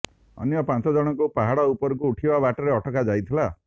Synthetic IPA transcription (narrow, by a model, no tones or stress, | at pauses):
ɔ̰njɔpãnt͡ʃɔd͡ʒɔɽ̃ɔkupaɦaɽɔupɔɾɔkuːʈʰibabaʈɔɾeɔʈʰɔkad͡ʒajt̪ʰila